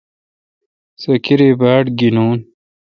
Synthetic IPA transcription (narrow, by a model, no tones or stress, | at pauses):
sɐkiɾebaːʈɡinoːn